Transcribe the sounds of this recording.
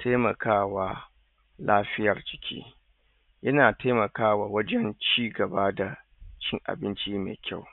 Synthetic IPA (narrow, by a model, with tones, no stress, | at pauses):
tʰaː˦mɐ˨kʰaː˦waː˦ | laː˦ɸɪ˦jɐ˨rd͡ʒɪ˨kʲʰḭː˦ | jɐ˦naː˨ta˦mɐ˨kaː˦waː˨wɐ˦d͡ʒɛ˦nt͡ʃiː˦ɡɐ˨baː˦da˨ | t͡ʃʲɪ˦ŋʔa̰˨bɪ˦nt͡ʃiː˦mḛː˨kʲa˦˨w